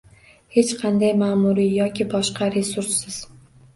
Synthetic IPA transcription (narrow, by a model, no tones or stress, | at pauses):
he̞t͡ʃqʰɑnd̪ajmaːmuɾijɒkʲʰɪbɒʃqʰɑɾe̞suɾsːɪz̥